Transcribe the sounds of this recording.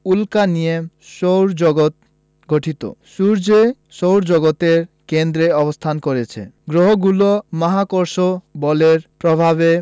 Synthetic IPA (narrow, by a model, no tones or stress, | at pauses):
ulkanijem | ʃowɾd͡ʑɔɡot̪̚ | ɡoʈʰit̪o̰ʃuɾd͡ʑe | ʃowɾd͡ʑɔɡot̪eɾ | kend̪ɾeɔbost̪ʰankoɾet͡ɕʰḛɡɾoɦoɡulomaɦakoɾʃobɔleɾpɾobʱaβe